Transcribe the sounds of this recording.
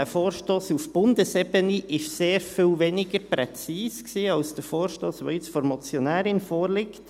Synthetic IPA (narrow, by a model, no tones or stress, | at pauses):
æfoːɾʃtoːsufb̥ʊndəsɛbəniʔɪʃseːɾfɪːlʋenɪɡəɾpɾɛt͡siːsksiːɑʊsd̥əɾfoːɾʃtoːsʋo̰ɪt͡sfɔɾmɔt͡sjɔnæːɾɪnfoːɾlɪkt